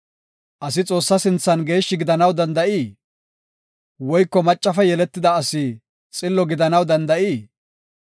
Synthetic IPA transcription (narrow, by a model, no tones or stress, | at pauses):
ʔɐsɪt͡sʼo̞ːsːɐsɪnt͡sːɐnɡe̞ːʃːɪɡɪd̪ɐnɐwd̪ɐnd̪ɐʔiː | wɔjkːɔmɐt͡ʃʼːɐfɛjɛlɛt̪ːɪd̪ɐːsiː | t͡sʼɪlːɔɡɪd̪ɐnɐwd̪ɐnd̪ɐʔiː